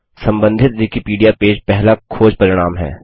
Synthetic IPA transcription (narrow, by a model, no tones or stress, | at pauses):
sɐ̃mbə̃nd̪ʱɪt̪̚d̪ikipiːɖijapeːd͡ʒpɛɦlakʰoːd͡ʒpɐɾɪɽ̃aːmɦɛ̰ː